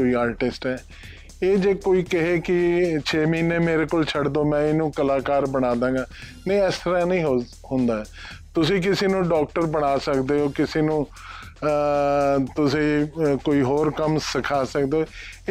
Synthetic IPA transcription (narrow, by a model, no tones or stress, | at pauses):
oːiːaːɾʈɪsʈɛː | eːd͡ʒeːkoːiːkɪɦeːkɪt͡ʃʰeːmiːneːmeːɾeːkoːlt͡ʃʰəɽd̪oːmɛ̃ːɪnũːkəlaːkaːɾbəɽ̃aːd̪ãːŋɡaːnẽĩɛːst̪əɾaːnəĩːɦo | ɦʊ̃nd̪aːɦɛːt̪ʊsĩːk̬ɪseːnũːɖɔːk̚ʈəɾbəɽ̃aːsəkd̪eːɦoːkɪseːnũː | t̪ʊsĩːkoːiːɦoːɾkəmsɪkʰaːsəkd̪eoː